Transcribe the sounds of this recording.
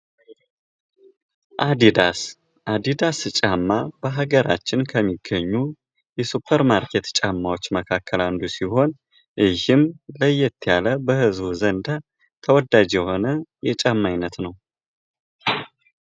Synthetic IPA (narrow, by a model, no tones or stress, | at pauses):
ʔad̪id̪as | ʔad̪id̪ast͡ʃʼamːabəɦaɡəɾa̰t͡ʃːɪnkʰəmːiɡːəɲːu | jɛsupʰːəɾmaɾkʰet̪t͡ʃʼamːawo̞t͡ʃːməkʰakʰːəland̪usiho̞n | ʔɨhɨmləjːɛt̪ʰːjaləbəhɨzbuzənd̪a | t̪ʰəwɔd̪ad͡ʒjɛho̞nəjɛt͡ʃʼamːajnːət̪nəw